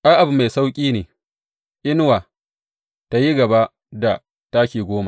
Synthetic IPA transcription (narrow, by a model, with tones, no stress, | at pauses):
ʔa˦ʔa˨bu˨ma˨jsa˦wkʲʼiː˦neː˨ | ʔɪ˦n˦waː˨ | ta˨ji˦ɡɐ˨ba˦ʔ | da˨ | ta˦kʲeː˨ɡʷoː˦ma˨